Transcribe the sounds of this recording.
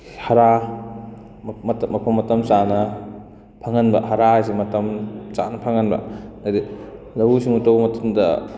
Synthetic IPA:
haɾa | tmɐpʰomːɐtɐmt͡ʃanɐ | pʰaŋɐnbɐ̰haɾaajs̬imɐtɐmt͡ʃanɐpʰɐŋɐnbɐ̰nadi | lɐwusiŋutɐwmɐtɐmdɐ

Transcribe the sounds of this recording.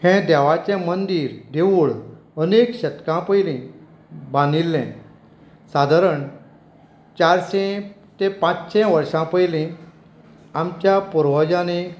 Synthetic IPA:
hɛ̃d̪ɛʋat͡ɕɛ̃mənd̪iːɾd̪eʋuɭ | ənekɕət̪kãpəjlẽ | bãnilːɛ̃ | sad̪ʱaɾəɳ | t͡ɕaɾɕɛ̃ | t̪ẽpãt͡sɕɛ̃ʋəɾʂãpəjlẽ | amt͡ɕjapuɾʋəd͡ʑãne

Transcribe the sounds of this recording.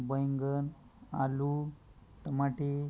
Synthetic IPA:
bəjŋɡən | a̰lu | ʈəmaʈi

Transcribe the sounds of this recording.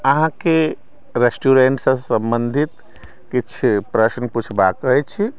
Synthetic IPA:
əɦãke | ɾesʈuɾeɳʈsə̃sə̃mbənd̪ʱit̪ | kit͡ʃʰpɾəsnput͡ʃʰbakəɦɛt͡ʃʰi

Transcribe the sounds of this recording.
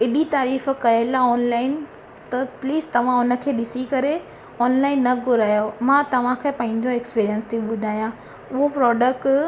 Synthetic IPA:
ɪɗit̪aːɾiːfkɐjelaɔːnlaːɪn | t̪ɐpliːzt̪ɐʋ̤ãʊnə̆kʰeːɗɪsikɐɾe | ɔːnlaːɪnːɐɡʱʊɾaːjomãt̪ɐʋ̤ãkʰepɐ̃ɦɪ̃ɲd͡ʑoekspiːɾijənst̪ʰiɓʊd̪ʱaːjã | ʊɦopɾɔːɖək̚ʈ

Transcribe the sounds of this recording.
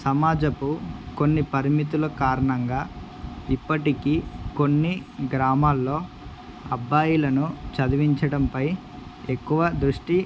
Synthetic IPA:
sɐmaːd͡ʒɐpuko̞nːipɐɾimit̪̬ulɐkaːɾɐɳɐŋɡaː | ipːɐʈikiːko̞nːiɡɾaːmaːlːo̞ː | ɐ̰bʱːaːjulɐnut͡ʃɐd̪iʋiɲt͡ʃɐɽɐmpɐj | ekːuʋɐd̪ɾuʂʈi

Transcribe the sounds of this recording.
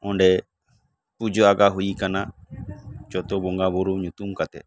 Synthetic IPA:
ɔnɖɛ | pud͡ʒoaɡaɦuikana | t͡ʃɔt̪obɔŋɡaβoɾuɲũt̪umkat̪e

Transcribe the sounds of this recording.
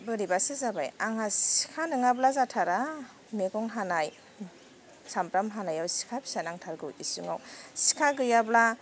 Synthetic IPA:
bɯɾibasɯzabajaŋasi̥kʰanɯŋablazatʰaɾa | meɡɔŋɦanaj | sampɾamɦanajawsi̥kʰabi̥sanaŋtʰaɾɡɯwisuŋawsi̥kʰaɡɯjabla

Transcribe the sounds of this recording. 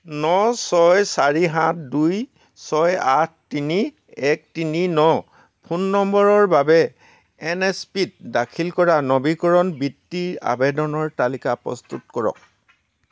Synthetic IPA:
nɔsɔjsaɹiɦãtʰduj | sɔjatʰtini | ɛk̚tininɔ | pʰunːɔmbɔɹɔɹbabɛ | ɛnɛspit̚dakʰilkɔɹanɔbikɔɹɔnbitːiɹa̰bedɔnɔɹtalikapɹɔ̰st̪utkɔɹɔ̰k̚

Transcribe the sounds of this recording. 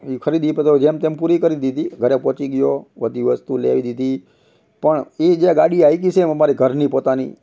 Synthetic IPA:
ikʰəɾid̪ipət̪od͡ʒemt̪empuɾikəɾid̪id̪iɡʱəɾepɔːt͡ʃiɡjoʋəd̪ʱiʋəst̪ulḛʋid̪id̪ʱi | pəɳid͡ʒeɡaɽiajk̬it͡ʃʰeməmaɾiɡʱəɾnipot̪anḭ

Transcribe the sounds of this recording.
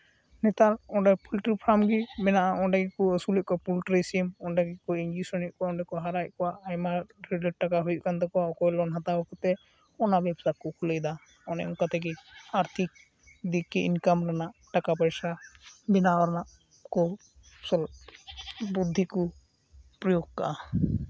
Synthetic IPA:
nɛt̪alɔɖapʰulʈɾipʰɾamɡibɛnaʔaɔnɖaɡikɔəsulɛʔ̚kɔwapulʈɾisimɔnɖaɡikɔiɲd͡ʒusɔniʔ̚kɔaɔ̃ɳɖakɔɦaɾajt̚kɔwaʔajmaɾeɖəʈakaɦujʔ̚kant̪ɔkɔaɔkɔjlɔnɦat̪awɔkɔt̪ɛ | ɔnabɛbsakɔkʰulɛjd̪a | ɔnɛ̰ʔɔkat̪ɛɡɛaɾt̪ʰik̚ | d̪ikːɛinkamɾanaʔʈakapəjsabinaɔɾnaʔ | kɔ | sɔl | bud̪ʱːikɔ | pɾɔjoɡ̚ka̰ʔa

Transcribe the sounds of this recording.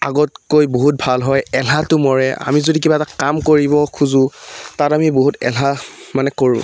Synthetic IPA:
aɡɔtkojboɦut̚bʱalɦɔjɛlʱatʊmɔɹɛʔa̰mizodik̬ibaɛtakamkoɹibɔkʰuzʊ̃tatamiboɦutɛ̰lamanɛkoɹʊ̰̃

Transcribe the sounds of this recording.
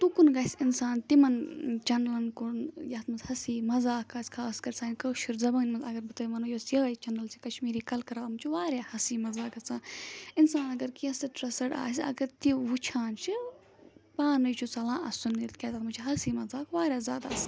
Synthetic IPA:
t̪ukunɡɐsʲinsaːnt̪imɐnt͡ʃɐnlɐnkunjɐt̪mɐzhɐsiːmɐzaːkːaːsʲkʰaːskɐɾʲt͡saːnʲkəːʃuɾzɐbɐːnmɐnzɐɡɐɾbɨt̪ɐːimɐnojoːsjɐɐt͡ʃɐnɐlt͡ʃʰi̥kɐʃmiːɾiːkɐlkɐɾaːmut͡ʃʰiʋaːɾʲjaːhɐsiːmɐzaːkɐt͡sãːinsaːnɐɡɐɾkiɐ̃sɨʈɾɐsɐɽa̰ːsʲɐ̰ɡɐɾt̪iʋut͡ʃʰaːnt͡ʃʰi | paːnɨjt͡ʃʰusɐlãːʔɐsunːit̪kʲet̪aːmut͡ʃʰiɦɐsiːmɐzaːkʋaːɾʲjaːzʲja̰ːd̪a̰s

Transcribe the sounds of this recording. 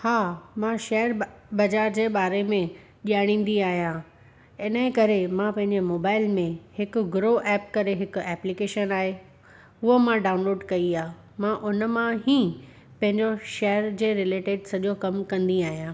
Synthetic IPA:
haːmãʃeːjəɾbɐd͡ʑaːɾd͡ʑeːɓaːɾemẽ | ʄiaːɽ̃ĩːn̆d̪iaːɦijã | ɪnə̃kɐɾemãpɐ̃ɦɪ̃ɲd͡ʑemoːbaːɪlmẽhɪkʊ̆ɡʊɾoʔɛːp̚kɐɾeɦɪkʊ̆ɛːplikeːʃənaːɦe | ʊɦomãɖaːʊnloːɖkɐiaː | mãʔʊnmãɦĩː | pɐ̃ɦɪ̃ɲd͡ʑoʃeːəɾd͡ʑeːɾɪleːʈeːɖsɐʄokɐmkɐ̃nd̪iaːɦijãː

